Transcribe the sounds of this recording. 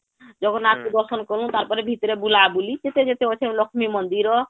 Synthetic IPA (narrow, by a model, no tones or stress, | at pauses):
d͡ʒɔɡɔnat̪kud̪ɔɾsɔnkɔɾũt̪aɾpɔɾebʱit̪ɔɾebulabulid͡ʒet̪ed͡ʒet̪eot͡ʃʰẽlɔkʰmimɔnd̪iɾɔ